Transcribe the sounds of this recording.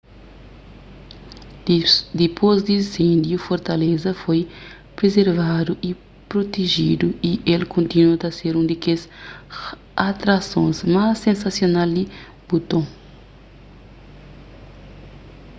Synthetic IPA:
d̪ipʰozd̪iĩsẽnd̪jufoɾt̪ɐlezɐfoj | pɾezeɾvad̪uʔi | pɾot̪eʒid̪uiʔelkʰõnt̪inot̪ɐseɾũnd̪ikez | at̪ɾasõ̰zmasːẽnsasjonald̪i | but̪õ

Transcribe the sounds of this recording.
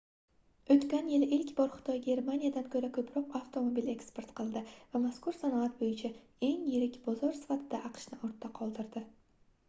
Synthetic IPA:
ɵt̪kʲanjɪlɪʔɪlkʲbɒɾχɨ̥t̪ʰɒjɡʲe̞ɾmanijad̪ankʰɵɾakʰɵpʰɾɒqaft̪ʰo̞mobile̞kspe̞ɾt̪qʰɨlˠd̪ɪvamaskʊɾsanɒat̪bojɪt͡ʃʰa | e̞ŋjɪɾɪkʲbɒzɒɾsɪ̥fat̪ʰɪd̪aʔɑqʰʃnɪʔoɾt̪ʰːaqʰɒlˠd̪ɪɾd̪ɪ

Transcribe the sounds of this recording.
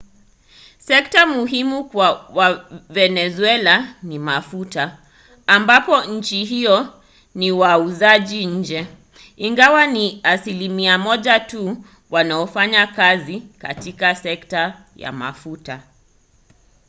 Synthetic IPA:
sɛk̚tamuɦimukwawavɛnɛzuɛlanimafutaː | mbapɔɲ̩t͡ʃiɦijɔ | niwauzaʄiɲ̩d͡ʒɛ | iŋɡawaniasilimiamɔʄatu | wanaɔfaɲakazika̰tikasɛkta | ja̰ma̰futa

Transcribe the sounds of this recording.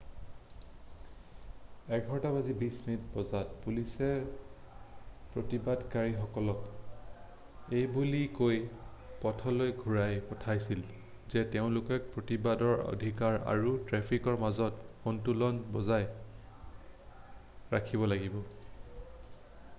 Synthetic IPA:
ɛɡʱɔɹtabazibismitbɔzat̚pulisɛɹ | pɹotibadkaɹixɔkɔlɔk | ejbulikojpɔtʰɔlojɡʱuɹajpɔtʰajsil | zɛteʊ̃lʊkɛk̚pɹotibadɔɹo̰dʱikaɹa̰ɹutɹɛpʰikɔɹmazɔtxontulɔnbɔzaj | ɹa̰kʰibɔlaɡibɔ

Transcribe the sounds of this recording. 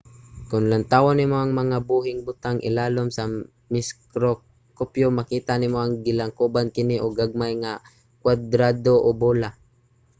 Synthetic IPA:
kʊnlant̪awanɪmoʔɐŋmɐŋabuːɦɪŋbʊt̪aŋʔɪ̰laːlomsa | mɪskɾo | kopjomakiːt̪anɪmoʔaŋɡɪlaŋkubankɪnɪʔoɡaɡ̚majŋa | kwad̪ɾaːd̪oʔobola

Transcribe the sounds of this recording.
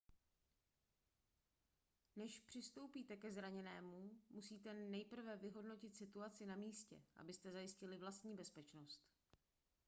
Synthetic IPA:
nɛʃpr̥ɪst̪o̞wpiːt̪ɛkɛzɾaɲɛnɛːmumusiːt̪ɛnɛjpr̩vɛvɪɦo̞dno̞cɪt̪sɪt̪uat͡sɪnamiːscɛ̰ʔa̰bɪst̪ɛzajɪscɪlɪvlast̪ɲiːbɛspɛt͡ʃno̞st̪

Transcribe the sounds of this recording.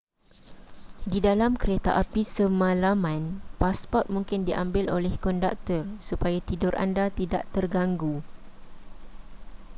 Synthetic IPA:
didalamkəɾet̪a̰ʔapisəmãlamãnpaspɔt̪̚mũŋkɪndiʔãmbɪlo̰lɛhkɔnda̰k̚t̪ərsupajat̪idʊrʔa̰ndat̪idaʔt̪ərɡaŋɡu

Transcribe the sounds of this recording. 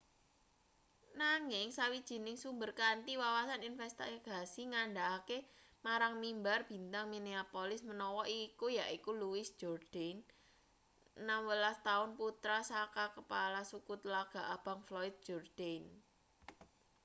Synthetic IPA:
naŋɪŋsawid̥ʒ̥i̤nɪŋsumbərkant̪iwawasaninfɛst̪aaɡ̥a̤siŋaɳɖaːkemaɾaŋmimbarb̥i̤nt̪aŋmineapolɪsmənɔwɔʔikujaʔikuluwɪsd̥ʒ̥ɔrd̥an | amwəlast̪aʊnput̪ɾasakakəpalasukut̪laɡ̥a̤ʔab̥a̤ŋflɔɪt̪̚ʒ̥ɔrd̪̥an

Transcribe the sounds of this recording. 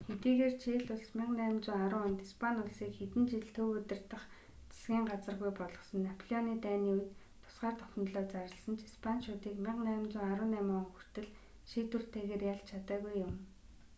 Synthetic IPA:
xet̪iːɣeːrt͡ɕʰeːɮʊɮsmʲɪqnæːmt͡sʊːaɾʊːʊnt̪ispʰanʊɮsiːkxet̪ɘ̆nt͡ɕiɮt̪ʰɵːɵt̪ɘ̆r̥t̪ə̆χ | t͡sʰḁsɡʲiːɴɢat͡sə̆rɣujpɔɮɞ̆sɞ̆nːapʰɔɮʲiɔniːt̪æːniːuj̆t̪ | t̪ʰʊ̥sɢaːrt̪ʰœxʲɪ̆nt̪ɮoːt͡saɾə̆ɮsə̆nt͡ɕispʰanʃʊːt̪iːkmʲɪqnæːmt͡sʊːaɾʊːnæmʊːxur̥t̪ɘ̆ɮ | ʃiːt̪ur̥t̪ʰeːɣeːrjaɮt͡ɕt͡ɕʰat̪aːɣujʊm

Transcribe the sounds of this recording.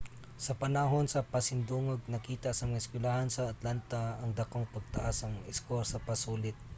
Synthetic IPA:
sɐpɐnɐɦo̞nsɐpɐsɪnd̪uːŋoɡ̚nɐkiːt̪ɐsɐmɐɪskwɪlahansɐːt̪lant̪ɐɐŋd̪ɐkoŋpɐɡ̚t̪ɐʔasɐŋɪskoɾsɐpɐsuːlɪt̪̚

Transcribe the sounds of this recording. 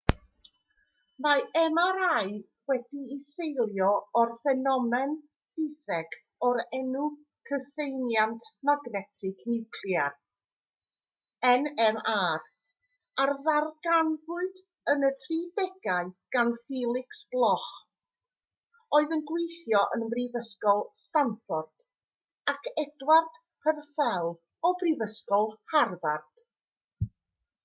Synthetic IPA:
maɛmaɾaɨ | wɛdiːsejlˠjɔɔrfɛnɔmɛn | fɪsɛɡ | ɔɾɛnu | kʰəsejnjantʰmaɡnɛtʰɪɡ̥nɪwkʰljar | ɛnɛmaːr | arðarɡanvʊɨd | ənətʰriːdɛɡaɨɡ̥anfiːlˠɪksb̥lˠɔχ | oːɨðənɡwejθjɔʔənmrivəskɔlˠstanfɔrd̥ | akʰɛdward̥ | pʰərsɛlˠ | ɔbrivəskɔlˠharvard̥

